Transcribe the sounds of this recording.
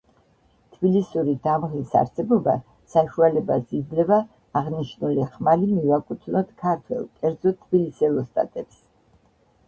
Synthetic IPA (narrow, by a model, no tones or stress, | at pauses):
t̪ʰbilisuɾid̪amʁlisa̰ɾsɛbɔba | saʃualɛbasid̪zlɛvaː | ʁniʃnuliχmalimivakʼut̪ʰnɔt̪kʰaɾt̪ʰwɛ̰lˠkʼɛɾd̪zɔt̪ʰːbilisɛlˠɔst̪ʼa̰t̪ʼɛps